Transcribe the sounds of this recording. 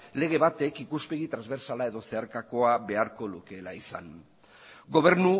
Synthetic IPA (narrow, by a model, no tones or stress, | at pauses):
le̞ɣ̞e̞βat̪e̞kikuspe̞ɣit̪ɾanzβe̞ɾsalae̞ðo̞se̞aɾkako̞aβe̞aɾko̞luke̞laisa̰n | ɡo̞β̞e̞ɾnu